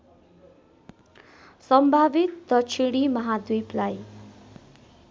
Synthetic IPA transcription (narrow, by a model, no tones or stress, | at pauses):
sʌmbʱabit̪ːʌt͡sʰiɽ̃imʌɦad̪ujplaj